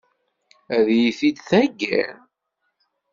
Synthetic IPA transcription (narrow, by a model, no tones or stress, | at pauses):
æðjiθid̪θæɡːæ̰ɾ